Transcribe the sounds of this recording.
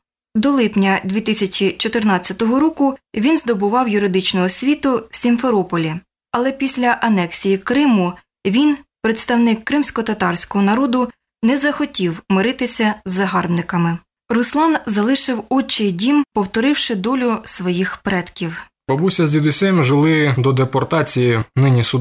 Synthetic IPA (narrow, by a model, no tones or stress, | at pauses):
d̪ɔlˠɪpnʲɐd̪ʲʋʲit̪ɪsʲɐt͡ʃʲit͡ʃɔt̪ɪrnɑt͡sʲːɐt̪ɔɦɔɾɔkʊʋʲinzd̪ɔbʊʋɑwjʊɾɪd̪ɪt͡ʃnɔɦɔsʲʋʲit̪ʊwsʲinʲfeɾɔpɔlʲi | ɐlˠɛpʲisʲlʲɐʔɐnɛksʲijikɾɪmʊ | ʋʲinpɾet̪st̪ɐwnɪkːɾɪmsʲkɔt̪ɐt̪ɑrsʲkɔɦɔnɐɾɔd̪ʊ | nɛzɐxɔtʲiwmɪɾɪt̪ɪsʲɐzːɐɦɑrbnɪkɐmɪ | rʊslˠɑnzɐlˠɪʃɪwɔt͡ʃɪdʲimpɔwt̪ɔɾɪwʃɪd̪ɔlʲʊsʋɔjixpɾɛt̪kʲiw | pɔbusʲɐzʲʋʲid̪ʊsʲɛmʲʒɪlˠɪd̪ɔd̪epɔrt̪ɑt͡sʲijinɪnʲisʊ